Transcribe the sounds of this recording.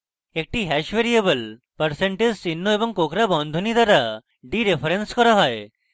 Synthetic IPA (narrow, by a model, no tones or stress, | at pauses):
ek̚ʈiɦɛʃʋeɾiebəl | pəɾseɳʈed͡ʒsinːoebɔŋkokɾabɔnd̪ʱunid̪aɾa | ɖiɾepʰəɾenskɔɾaɦɔe